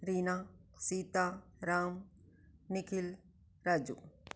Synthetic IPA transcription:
ɾiːnasiːt̪aɾaːm | nɪkʰil | ɾaːd͡ʒṵ

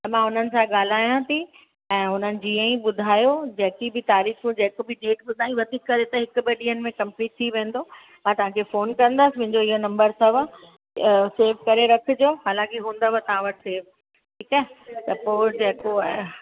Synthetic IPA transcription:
t̪ɐmãʊn̤ənɪ̆sãɠaːl̤aːjãt̪ʰi | ɛ̃ːɦʊn̤ənɪ̆d͡ʑiːə̃ĩɓʊd̪ʱaːjod͡ʑɐ̃ɦɪkibʱɪt̪aːɾiːxmũd͡ʑeɦkobʱɪɖeːʈɓʊd̪ʱaːĩʋɐt̪ʰikːɐɾet̪ɐɦɪkʊ̆bɐɗiːənɪ̆mẽkɐ̃mpliːʈ̚t̪ʰiʋẽːn̆d̪o | mãt̪ɐʋ̤ãkʰefoːnkɐ̃nd̪əsɪmʊ̃ɦɪ̃ɲd͡ʑoɪɦonɐ̃mbəɾsɐʋ | seːɾʋkɐɾeɾɐkʰɪ̆d͡ʑoːɦaːlãːkeɦũːn̆d̪əʋət̪ɐʋ̤ãʋɐʈʰɪ̥seːʋ | ʈʰiːkɛːt̪ɐpoːd͡ʑeɦko

